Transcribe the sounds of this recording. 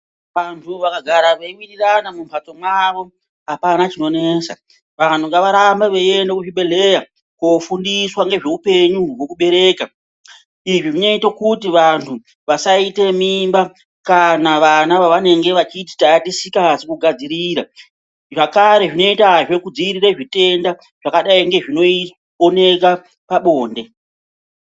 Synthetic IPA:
ʋantʰuʋakaɡʱaɾaʋeiwiriranamumpʰat͡so̞mwaʋo̞ | apanat͡ʃino̞ne̞ːsa | ʋan̤uŋɡaʋaɾambaʋeiendokuʐiɓe̞le̞ja | kofundiswaŋɡe̞ʐe̞upe̞ɲuwo̞kuɓe̞ɾe̞ːka | iʐiʐineitokutiʋantʰu | ʋasaite̞mimba | kanaʋanaʋaʋane̞ŋɡe̞ʋat͡ʃiti̥taatisikasekuɡʱad͡ziɾiɾa | ʐakaɾe̞ʐino̞itaʐe̞kud͡ziiɾiraʐite̞nda | ʐ̥akaɗaiŋɡe̞ʐino̞i | one̞ka | paɓoːnde̞

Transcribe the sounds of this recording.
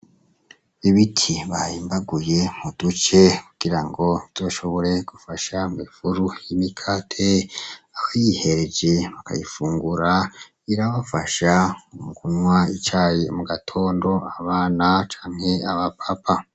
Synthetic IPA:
βiβitʰiβajimbaɡujemud̥ut͡ʃe̞ku̥ɡ̥iɾaŋɡo̞iz̥o̞ːʃo̞βo̞ɾe̞ɡ̥ufaʃamifuɾujimikʰaːtʰeakʰajihe̞ɾe̞d͡ʒe̞βaka̰jifuːŋɡuɾa | iɾaβafaʃaumukunwait͡ʃaːjemuɡatʰo̞ːndo̞aβaːnat͡ʃḁːn̥he̞aβapʰapʰa

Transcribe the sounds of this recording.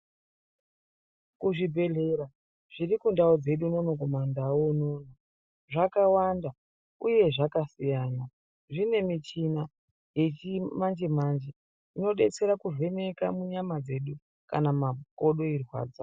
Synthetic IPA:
kuʐibʱe̞ɮe̞ɾa | ʐ̥iɾikundaod͡ze̞ɗuno̞noko̞mandaonoːno | ʐakawanda | uje̞ʐakasijana | ʐine̞mit͡ʃina | je̞t͡ʃimand͡ʒemand͡ʒe | ino̞ɗe̞t͡se̞ɾakuʐe̞ne̞kamuɲamad͡ze̞ɗu | ka̰namako̞ɗo̞irwa̰ːd͡za

